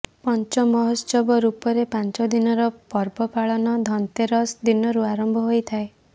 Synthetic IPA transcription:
pɔnt͡ʃɔmɔɦɔsɔbɔɾupɔɾepant͡ʃɔd̪inɔɾɔpɔɾbɔpaɭɔnɔd̪ʱɔnt̪eɾɔsd̪inɔɾuaɾɔmbʱɔɦojt̪ʰae

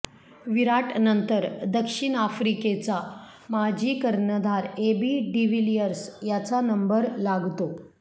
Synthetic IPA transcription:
ʋiɾaʈnənt̪əɾd̪əkʂiɳafɾiket͡sa | mad͡ʑʱiːkəɾnəd̪ʱaɾebiːɖiʋilijəɾsjat͡sanəmbəɾlaɡt̪o

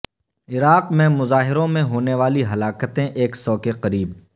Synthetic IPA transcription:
ɪɾaːqmẽmʊzaːɦɪɾõmẽɦoːneʋaːliɦɐlaːkət̪ẽʔeːksɔːkeqɐɾiːb

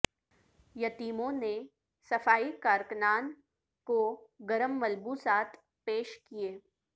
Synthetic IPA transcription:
jɐt̪iːmõne | sɐfaːikaːɾknaːn | koɡɐɾəmːɐlbuːsaːt̪ʰ | peːʃkieː

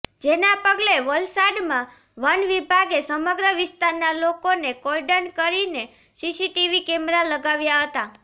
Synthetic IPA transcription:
d͡ʒenapəɡleʋəlsaɖmã | ʋənʋibʱaɡesəməɡɾəʋɪst̪aɾnalokonekɔlɖənkəɾine | sisiʈiʋikɛmɾaləɡaʋjaɦət̪a

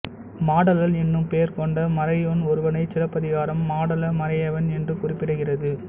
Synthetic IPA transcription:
maːɽɐlɐlɛnːɯmpeːɾkɔɳɖɐmɐɾɐjonɔɾɯʋɐnɐɪt͡ʃɪlɐpːɐðɪɣaːɾɐmːaːɽɐlɐmɐɾɐjɐʋɐnɛndrɯkʊrɪpːɪɽɯɣɪrɐðɯ

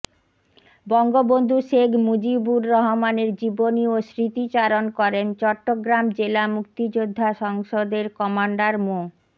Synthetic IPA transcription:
bɔŋɡobond̪ʱuʃeɡʱmud͡ʑibuɾːɔɦomaneɾd͡ʑiboniosɾit̪it͡ɕaɾonkɔɾent͡ɕɔʈːoɡɾamd͡ʑelamuk̚t̪id͡ʑod̪ʱːaʃɔŋʃod̪eɾkɔmaɳɖaɾmo

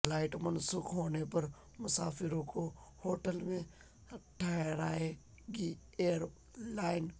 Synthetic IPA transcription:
laːɪʈmɐnsuːkɦoːnepɐɾ | mʊsaːfɪɾõkohoːʈəlmẽ | ɐʈʰːaːɾaːe | ɡi | eːəɾ | laːɪn

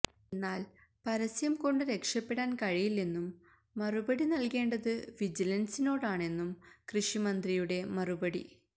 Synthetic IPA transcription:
enːaːl | pɐɾɐsjɐmko̞ɳɖɨɾe̞kʂɐpːe̞ɽaːnkɐɻijilninːumː | ɐrubɐɽinɐlke̞ːɳɖɐðɨʋid͡ʑilɐnsino̞ːɽaːɳe̞nːumkrɨʂimɐnd̪rijuɽe̞mɐrubɐɽḭ

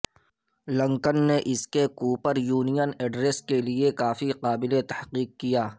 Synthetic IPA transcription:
lə̃ŋkənːeʔɪskekuːpəɾjuːnijənɛːɖɾeːskeliekaːfiqaːbɪlet̪ɐhqiːq̚ːijaː

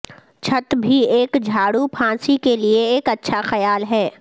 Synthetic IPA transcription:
t͡ʃʰɐt̪bʱieːkd͡ʒʱaːɽupʰãːsikelieeːkɐtːʃʰaxɐjaːlɦɛː

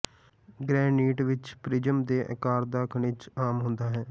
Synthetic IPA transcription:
ɡɾɛːniːʈʋɪt͡ʃpɾɪd͡ʒəmd̪eːʔə̰kaːɾd̪aːkʰəɳɪt͡ʃaːmɦʊ̃nd̪aːɦɛː

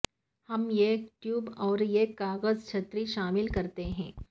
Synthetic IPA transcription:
hɐmjeʈjuːbɔːɾjekaːɡəzt͡ʃʰɐt̪ɾiʃaːmɪlkɐɾt̪eɦɛ̰̃ː

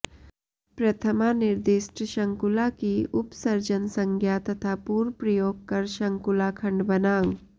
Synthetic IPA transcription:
pɾɐt̪ʰəmanɪɾd̪ɪʃʈʃɐ̃ŋkʊlakiʊpsɐɾd͡ʒənsɐ̃ŋɡʱjat̪ɐt̪ʰapuːɾpɾɐjoːɡ̚kɐɾʃɐ̃ŋkʊlakʰɐ̃ɳɖbɐnaː

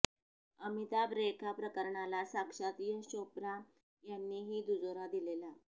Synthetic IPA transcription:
əmit̪abɾekʰapɾəkəɾɳalasakʂat̪ijəɕopɾa | janːiːɦiːd̪ud͡zoɾad̪ilela

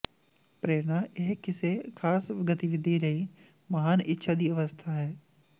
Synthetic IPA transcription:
pɾeːɾnaʔeɦkɪsekʰaːsʋɪɡət̪iʋɪd̪ʱːiɾɐɦi | mɐɦaːnɪtːʃʰad̪iɐʋəst̪ʰaɦɛː

